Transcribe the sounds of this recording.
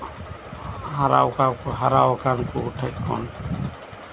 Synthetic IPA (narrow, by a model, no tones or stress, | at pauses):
haɾa̰wkakɦaɾawkankuːʈʰəkkʰɔ̰n